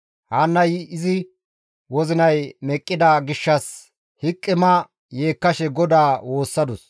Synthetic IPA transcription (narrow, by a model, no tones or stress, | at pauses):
haːnːɐjɪzɪ | wɔzɪnɐjmɛkʼːɪd̪aːɡɪʃːɐs | hɪkʼːɪmɐ | je̞ːkːɐʃɛɡɔd̪aːwo̞ːsːɐd̪ʊs